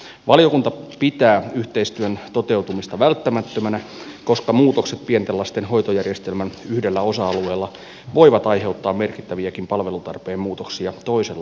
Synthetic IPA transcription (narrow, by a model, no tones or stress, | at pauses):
ʋɑlijo̞kunt̪ɑpit̪æːyht̪e̞ist̪yønt̪o̞t̪e̞uwt̪umist̪ɑʋælt̪ːæmæt̪ːømænæko̞skɑmuːt̪okset̪̚pient̪elːɑst̪enho̞jt̪ojærjest̪elmænyhdelːæo̞sɑɑlue̞ːlːɑ | ʋo̞iʋɑt̪ɑjɦe̞ut̪ːɑːmmerkit̪ːæʋiækimpɑlʋe̞lut̪ɑ̰rpeːmmuːt̪oksiɑt̪o̞iselːɑ